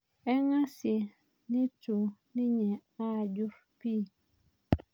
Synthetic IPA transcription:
ɛ˦ŋa˦si˨ | ni˦tu˨ni˦ɲɛ˨a˦˨d͡ʒu˦f | piː˦˨

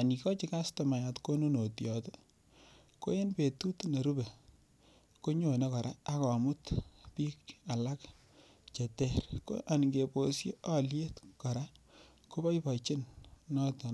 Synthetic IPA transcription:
a˨ni˨kɔ˦t͡ʃɪ˦ka˦stɔ˨ma˨ja˨tko˦nu˦no˨tjɔ˨te˦ | ko̰˦je˦npe˨tu˦tne˨ɾu˦be˨ | ko˦ɲo˨ne˦kɔ˨ɾa˦a˦kɔ˨mʊ˦tpiː˦ka˨la˦k | t͡ʃe˨tɛ˨ɾko̰˦ʔa˨n˨ŋɡe˨po˨sje˦ɔ˦lje˦tkɔ˨ɾa˦ | ko˦bɔ˦jpa˨jt͡ʃɪ˦nnɔ˦tɔ˨

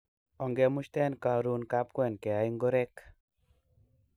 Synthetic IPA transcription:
ɔ˨ŋɡɛ˧mʊ˦ʃt̪ɛ˦nka˨ɾu˦nka˦p̚kwɛ˨nkɛ˨a˦iŋɡo˦ɾɛ˦k

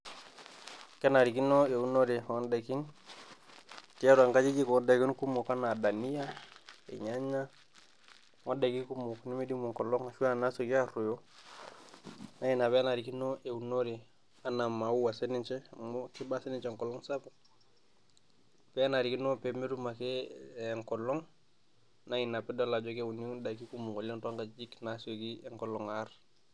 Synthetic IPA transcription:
kɛ˦na˨ɾi˨ki˦nɔ˦e˨u˦no˦ɾi˨ɔ˦nda˨ki˦n | ki˦ja˦ɾu˨a˨ŋka˦d͡ʒi˦ki˦kɔ˨˦da˨ki˦nku˦mɔ˨ka˦na˨da˨ni˦ja˦ɛ̰˨ɲa˦ɲa˦ | ŋɔ˦da˨ki˦ku˦mɔ˨kni˦mi˦di˦mu˨ŋ˨kɔ˨lɔ˦ŋa˨ʃu˦a˦˨na˦so˨ki˦a˦ɾu˨jɔ˦ | na˦ɛ˨na˨bɛ˦a˦na˨ɾi˨ki˦nɔ˦ʔe˨u˨no˦ɾi˨ | a˦na˨ma˨u˦wa˨sɛ˦ni˦t͡ʃɛ˦m˦ki˦ba˦sɛ˦ni˦nt͡ʃɛ˨ŋkɔ˨lɔ˦ŋsa˦pa | pɛ˦a˦na˨ɾi˨ki˦no˦pɛ˨me˦ɾu˦ma˨kɛ˦˨ŋkɔ˨lɔ˦ŋ | na˦i˨na˨pɛ˦dɔ˦la˨d͡ʒɔ˦ke˦u˨ni˦da˨ki˦ku˦mu˨ko˨lɔ˦nta˦ŋka˨d͡ʒi˦kna˨so˨ɡi˦ɛ˨ŋkɔ˦lɔ˨ŋa˦r

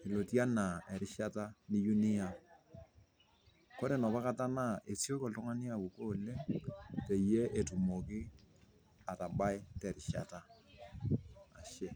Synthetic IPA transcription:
i˨lo˨tja˦na˨ɛ˨ɾɪ˦ʃa˦ta˦ni˦ju˦nɪ˦a˨ | ko˦ɾe˨nɔ˨pa˦ka˦ta˦na˦ʔe˨sjo˦kɔ˨ltʊ˦ŋa˦ni˦a˦˨wu˨koː˦˨le˦ŋte˨je˦ʔe˨tu˨mo˨kɪ˦ | a˨ta˨ba˦ɪ˦tɛ˨ɾɪ˨ʃa̰˨ta˦˨ | ʃe˦

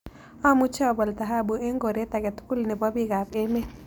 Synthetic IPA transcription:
a˦mu˦t͡ʃa˦˨bɔ˨lt̪a˨ɦa˦˨bu˨ʔe˦ŋɡo˨ɾe˦t̪a˨kɛ˨t̪u̥˦ku˦lnɛ˨bɔ˦bi˦ɡa˨be˦mɛ˦

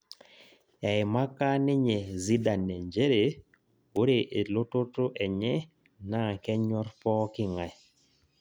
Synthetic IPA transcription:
ɛ˨ɪ˨ma˦ka˦nɪ˦ɲe˨zi˦da˨nːɛ˨ɲd͡ʒe˦ɾe˨ | o˦ɾe˨ʔe˨lo˦tʊ˦to˦ʔɛ˨ɲɛ˦ | na˦˨kɛ˦ɲɔ˦rpɔ˦kɪ˦ŋa˨j

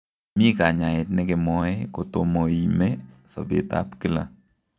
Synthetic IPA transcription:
mi˦ka˨ɲa˨ɪ˨tnɪ˦ɡɪ˨mɔ˦ɛ˦ko˨t̪o˨mo˨i˨me˦sɔ̰˨bɪ̰˨t̪a̰˦pki˦la̰˨

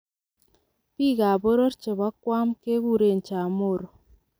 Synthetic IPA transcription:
pi˦ɡa˨bo˦ɾo˦ɾt͡ʃe˨βa˦kwa˦mke˦ɡu˦ɾe˦˨n˨t͡ʃa˨mo˦˨ɾo˨

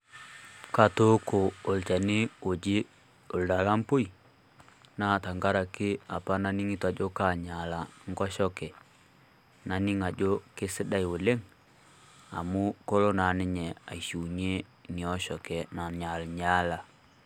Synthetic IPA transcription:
ka˨to˦koː˨lt͡ʃa˨nɪ˦o˨d͡ʒɪ˦ | o˨lda˨la˦mpo˦i˨ | na˦˨ta˨ŋɡa˦ɾa˨kɪ˦a˨pa˦na˨ni˦ŋɪ˦twa˨d͡ʒo˦ka˨ɲa˨la˨ŋɡɔ˦ʃɔ˦kɛ˨ | na˨nɪ˦ŋa˨d͡ʒo˦ke˦sɪ˦ɗa˦i˨o˨le˦ŋ | a̰˨mu˦ko˦lo˦na˨nɪ˦ɲɛ˨a̰˨i˨ʃu˨ɲe˦ | nɪ˨ɔ˦ʃɔ˨kɛ˨na˨ɲa˨lɲa˦la˨

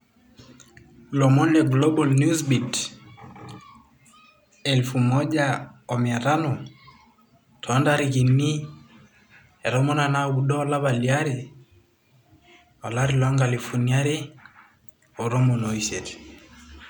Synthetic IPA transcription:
lɔ˨mɔ˦nlɛɡlɔ˦bɔ˨lnusbi˨t | ɛ˨lfu˨mɔ˦ʄaɔ˨mia˨ɾa˦nɔ˨ | tʰɔ˨˦ndaɾi˨ki˨nːi˦ | ɛ˨ɾɔ˦mɔ˦na˨na˦˨ɡu˨ɗɔː˦la˦βalia˦ɾi˨ | ɔ˨la˦ɾi˨lwa˦ŋɡa˨li˨fu˨nia˦ɾi˦ | ɔ˨ɾɔ˦mɔ˨no˨iset

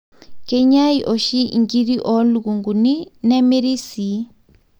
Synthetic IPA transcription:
ke˦ɲa˦i˨ʔɔ˨ʃi˦ŋɡi˦ɾi˦ʔɔ˦luku˨ŋɡu˨ni˦nɛ˦me˦ɾi˦si˨

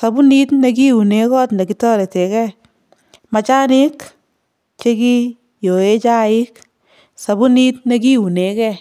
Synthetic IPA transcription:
sa˨bʊ˦ni˦tne˧k̬i˦u˨ne˨˦kɔ˦tne˨ki˨tɔ˦ɾe˨te˨kɛ˦ | ma˨t͡ʃa˦nɪ˦k | t͡ʃe˦ki˦ | jo˨e˦t͡ʃa˦ɪ˦k | sa˨bu˦ni˦tne˦ki˦u˨ne˨˦kɛ˦

